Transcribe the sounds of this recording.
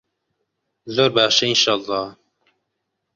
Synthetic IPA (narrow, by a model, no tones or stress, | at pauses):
zoːɾbɑːʃɛinʃɑːlˤˠːɑː